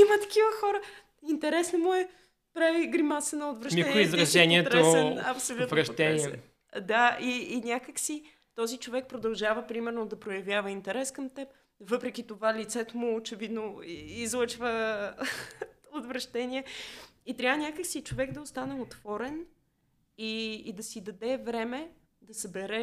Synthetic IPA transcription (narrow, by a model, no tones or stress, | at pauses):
imət̪ɐ̥k̟ivəxɔɾə | int̪ɛɾɛsnɐmʊɛ | pɾaviɡɾimasɛnɐot̪vɾɐʃiizɾɐʒɛniɛt̪ɾoɛɛnɐpsolʲut̪ɾɐʃt̪ɛniɛ | d̪aiːnʲakəksi | t̪ɔzit͡ʃovɛk̚pɾod̪ɐlˠʒavəpɾimɛɾnod̪ɐpɾojɐvjavəint̪ɛɾɛskəmt̪ɛp̚ | vɤpɾɛkʲit̪ovalit̪sɛt̪omʊːt͡ʃɛvid̪noizlˠɤt͡ʃvə | ot̪vɾɐʃt̪ɛniɛit̪ɾʲavənʲakəksit͡ʃovɛɡd̪ɐost̪anɛot̪v̥ɔɾɛn | iːd̪ɐsid̪ɐd̪ɛvɾɛmɛ | d̪ɐsɐbɛɾɛ